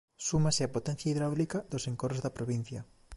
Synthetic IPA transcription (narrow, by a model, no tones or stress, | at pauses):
sumaseapot̪ɛnθjaiðɾawlikaðoseŋkorozðɐpɾoβ̞in̟θjɐ